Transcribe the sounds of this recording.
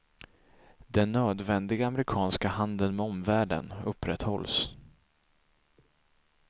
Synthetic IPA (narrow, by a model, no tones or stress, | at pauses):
d̪ɛnːøːd̪vɛnd̪ɪɡaːmɾɪkʰɑːnskahand̪ənmɛɔmvæːɖə̰nɵpːɾɛt̪hɔ̰ls